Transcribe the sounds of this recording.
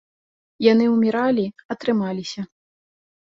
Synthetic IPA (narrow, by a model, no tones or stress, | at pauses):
janɨumʲiɾalʲiɐt̪ɾɨmalʲisʲɐ